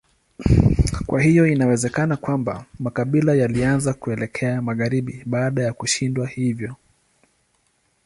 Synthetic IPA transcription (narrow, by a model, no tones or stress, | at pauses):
kwʔahijɔinawɛzɛkanakwamba̰makaɓilajalianzakuɛlɛkʰɛamaɣaɾiɓiɓaːɗajakuʃindwahivjɔ